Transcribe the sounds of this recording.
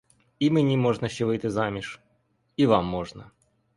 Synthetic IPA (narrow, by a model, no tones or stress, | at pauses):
imɨnʲimoʐnəɕivɨjt̪ɨzamʲɪʂ | ivamːoʐnə